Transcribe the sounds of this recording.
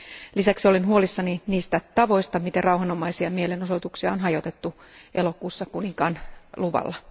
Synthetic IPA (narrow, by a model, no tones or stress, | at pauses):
lisæksio̞linɦuolisːɑniniːst̪æt̪ɑʋo̞ist̪ɑmit̪erɑuhɑnomɑisiɑmielenosot̪uksiɑonɦɑjot̪et̪ːuʔelo̞kuːsːɑkuniŋkɑnluʋɑ̰lːɑ